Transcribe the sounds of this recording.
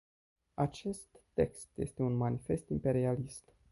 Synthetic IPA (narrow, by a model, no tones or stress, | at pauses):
at͡ʃe̞st̪ːe̞kst̪je̞̰st̪e̞unmanife̞st̪impe̞ɾialist̪